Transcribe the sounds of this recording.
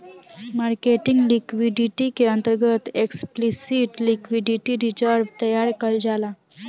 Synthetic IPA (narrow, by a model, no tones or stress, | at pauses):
maɾkeʈiŋɡlikʋiɖiʈikeənt̪əɾɡət̪eksplisiʈlikʋiɖiʈiɾid͡ʑəɾbt̪əjaɾkəld͡zala